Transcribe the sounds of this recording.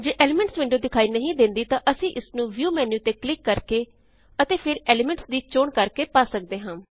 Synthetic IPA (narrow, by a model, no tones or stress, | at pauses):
d͡ʒeːʔeːlɪmɛ̃ɳʈsʋɪ̃ɳɖoːd̪ɪkʰaːiːnəɦĩːd̪ɪ̃nd̪iːt̪ãːʔəsĩːʔɪsnũːʋjuːmɛːnjuːt̪eːklɪkːəɾkeː | ət̪eːpʰɪɾeːlɪmɛ̃ɳʈsd̪iːt͡ʃoːɳkəɾkeːpaːsək̚d̪eːɦãː